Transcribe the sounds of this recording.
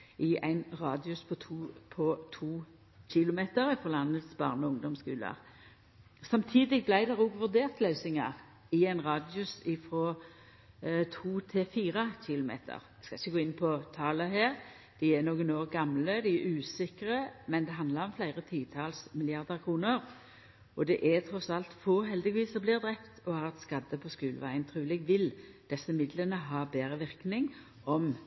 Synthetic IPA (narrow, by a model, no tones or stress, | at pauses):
ʔɪæ̰ɪnʁɑːd̪ɪʊspʰɔt̪ʰuːpʰɔt̪ʰuː | çɪlʊmeːt̪əɾɛfɔlɑnːət̪sbɑ̰ːʁnɔʊŋd̪ɔmskʉːlɑ̰ʁ | sɑmt̪ʰiːd̪ɪɡ̚blæɪd̪ɛʁoɡʋʉʁd̪eːʁt̪lœʉsɪŋɑ̰ʁ | ɪæɪnʁɑːd̪ɪʊsɪfɾɔ | t̪ʰuːt̪ʰɪfiːʁəɕɪlʊmḛːt̪ʰə̰ʁ | skɑɪçːəɡoːɪnpʰɔt̪ʰɑːləɦeːʁ | d̪̥ɪɛnoːɡənoːʁɡɑmləd̪ɪɛɾʉːsɪkɾəmɛnd̪ɛɦɑnd̪lɑɾɔmflæɪʁət̪ʰiːt̪ʰɑːlsmɪlɪɑʁd̪əʁkʰʁuːnəʁ | ʔɔd̪ɛʔɛt̪ʰɾɔsɑlt̪foːɦɛld̪ɪʋiːsɔblɪːʁd̪ʁɛpt̪ɔhɑːʁɛt̪skɑd̪ːəpʰɔskʉːlʋæɪənt̪ʰʁʉːlɪɡʋɪld̪̥ɛsːəmɪd̪lənəɦɑːbeːɾəʋɪʁknɪŋ | ʔɔm